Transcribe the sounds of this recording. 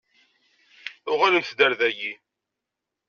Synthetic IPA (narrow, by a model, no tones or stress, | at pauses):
ʊʁælənθd̪æɾðæji